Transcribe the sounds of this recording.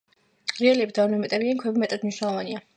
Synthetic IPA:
ɾialiɛbd̪anɔmɛt̪ʼɛbiankʰwɛbimɛt̪ʼad̪miʃnalˠɔvania

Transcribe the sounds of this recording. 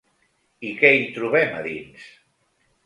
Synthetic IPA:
ikɛit̪ɾuβɛmaðins

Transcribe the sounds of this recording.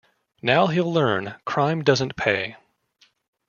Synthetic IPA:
naʊɦilˠlɜ̃˞nkʰɹ̥ãɪ̃mdʌzɨ̃npʰeɪ

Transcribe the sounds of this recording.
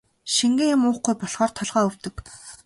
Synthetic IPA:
ʃiŋɡĕŋjʊmʊːχɡujpɔɮʁɔːrt̪ʰɔɮʁɔːɵw̥t̪ɵ̆k

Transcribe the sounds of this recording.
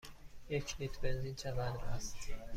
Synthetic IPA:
jecʰlit̪ʰbenziːnʃævænd̪æst̪

